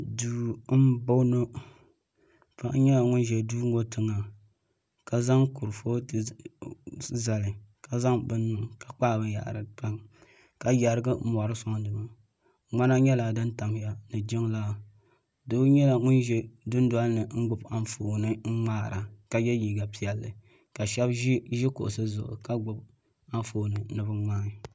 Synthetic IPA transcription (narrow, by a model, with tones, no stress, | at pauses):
duː˨˦bo˦nɨ˦ | pa˦ʔɲɛ˦la˨ŋʊ˦nʒɛ˨duː˦ŋo˦tɨ˦ŋa˨ | ka˨za˦ŋku˨ɾfo˦ | za˨lɨ˨ka˨za˦ŋbɨ˦nː˦ɨ˨ŋka˨k͡paː˦˨bɨ˦ja̰˨ʔɾɨ˨pa˦ŋ | ka˨ja˨ɾɨ˦ɡɨ˦mɔ˨ɾɨ˦sa˦ŋdɨ˨ma˦ | ŋ͡ma˦na˦ɲɛ˦la˨dɨ˦nta˨m˨ja˦nɨ˨d͡ʒɪ˦ŋlaː˦˨ | do˦ɲɛ˦la˨ŋʊ˦nʒɛ˦dʊ˦n˦da˦lnɨ˨ŋ̩˦ɡ͡bʊ˨ba˦n˦foː˨nɨ˦ŋ̩˦ŋ͡maː˦ɾa˨ka˨jɛ˦jiː˨ɡa˨pi˦˨ɛ˨lːɨ̰˨ | ka˨ʃɛ˦bʒɪ˦kʊ̰˨ʔʊ˨sɨ˦zʊ˨ʔʊ̰˨ka˦ɡ͡bʊ˨b | a˦foː˨nɨ˨nɨ˨bɨ˦ŋ͡maː˦˨